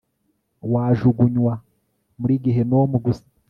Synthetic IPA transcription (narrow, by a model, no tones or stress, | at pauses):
waːʒuɡuɲwa | muɾiɡiɦe̞nomuɡusḁ